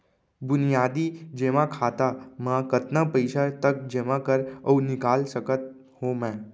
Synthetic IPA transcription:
bʊnijaːd̪id͡ʒeːʋãkʰaːt̪amãkət̪napəɪʃat̪ək̚d͡ʒeːʋãkəɾəːnɪkaːlsəkət̪̚ | homɛ̃ː

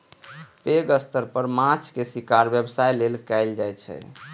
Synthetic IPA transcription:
peɡəst̪əɾpəɾmãt͡ʃkesikaɾbjəbsajlelkɛjld͡ʒajt͡ʃʰɛ̰

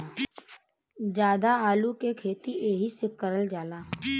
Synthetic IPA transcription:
d͡ʒaːd̪aaːlukekʰeːt̪iʔeːɦisɪkːəɾəld͡ʒaːlaː

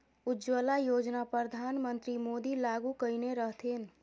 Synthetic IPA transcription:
ʊd͡ʒwəːlajoːd͡ʒnapɾəd̪ʱaːnmə̃nt̪ɾimoːd̪ilaːɡukəineɾəɦt̪ʰen

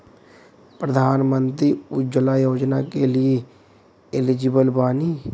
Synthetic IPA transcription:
pɾəd̪ʱaːnmə̃nt̪ɾiːʊd͡ʒəlaːjoːd͡ʒnaːkelɪe | ɪlɪd͡ʒɪbəlbaːniː

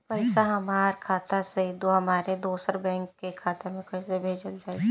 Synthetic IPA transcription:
pəɪsaɦɐmaːɾkʰaːt̪ased̪oɦɐmaːɾed̪oːsəɾbɛ̃ːŋkːekʰaːt̪emẽkəsebʱeːd͡ʒəld͡ʒaːeɡe

